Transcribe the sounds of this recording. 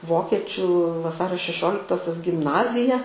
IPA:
ˈʋoːkʲɛt͡ʃʲuː ʋɐˈsɑːrʲoː ʃʲɛˈʃʲoːlʲɪktoːsʲoːs ɡʲɪmˈnɑːzʲɪjɛ

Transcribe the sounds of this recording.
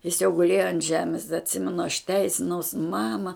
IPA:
jɪs jɛʊ ɡʊˈlʲeːjoː ɐnt ˈʒʲæːmʲeːs dɐ ɐtʲˈsʲɪmʲɛnʊ ɐʃ ˈtʲɛɪsʲɪnɐʊs ˈmɑːmɐ

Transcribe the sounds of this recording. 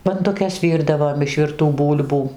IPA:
bɐndʊˈkʲɛs ˈʋʲiːrdɐʋoːm ɪʃ ʋʲɪrˈtuː ˈbuːlʲbuː

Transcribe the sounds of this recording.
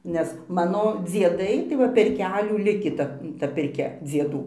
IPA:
nʲɛs ˈmɑːnoː d͡zʲiɛˈdɐɪ tɐɪ ˈʋɐ pʲɛr ˈkʲæːlʲuː ˈlʲɪkʲiː ˈtɐ tɐ pʲɪrʲˈkʲɛ d͡zʲiɛˈduː

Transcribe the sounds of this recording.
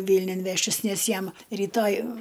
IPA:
ˈʋʲiːlʲnʲʊn ˈʋʲæːʃʲtʲɪs ˈnʲɛs ˈjɛm rʲiːˈtoːj

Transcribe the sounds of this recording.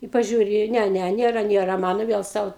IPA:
ɪ pɐˈʒʲuːrʲɪ ˈnʲɛ ˈnʲɛ ˈnʲeːrɐ ˈnʲeːrɐ ˈmɑːnoː ˈʋʲiɛlˠ ˈsɐʊ

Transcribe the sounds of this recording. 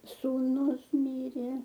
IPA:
suːˈnʊs ˈmʲiːrʲeː

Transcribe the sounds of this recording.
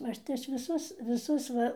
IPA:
ˈɐʃ tɐɪ ˈɐʃ ʋʲɪˈsʊs ʋʲɪˈsʊs ˈʋɐ

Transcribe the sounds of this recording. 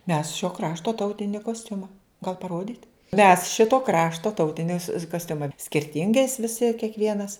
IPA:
mʲɛs ʃʲoː ˈkrɑːʃtoː ˈtɐʊtʲɪnʲɪ koːsʲˈtʲʊmɐ ɡɐlˠ pɐˈroːdʲiːtʲ mʲɛs ˈʃʲɪtoː ˈkrɑːʃtoː ˈtɐʊtʲɪnʲɪs koːsʲˈtʲʊmɐ sʲkʲɪrʲˈtʲɪŋɡɐɪs ʋʲɪˈsʲɪ kʲiɛkˈʋʲiɛnɐs

